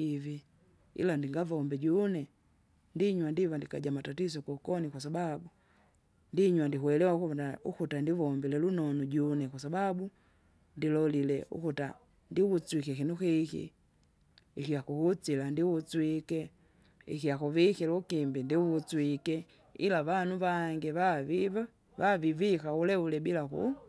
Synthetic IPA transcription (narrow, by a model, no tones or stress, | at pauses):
ivi | ḭlandiŋɡavɔmbɛɟunɛ | ndiɲwandivandikaɟamatatizɔkɔkɔnikwasababu | ndiɲwandiɦuwɛlɛwakunaukutandivɔmbilɛlunɔnuɟunɛkwasababu | ndilɔlilɛʔṵkuta | ndiwut͡swikɛkinukikḭ | ixiakuhut͡silandiwut͡swikɛ | ḭkijakuvikɛlukimbindiwut͡swikɛ | ḭlavanuβaŋɡɛβavia | vavivikaulɛulɛbilakṵ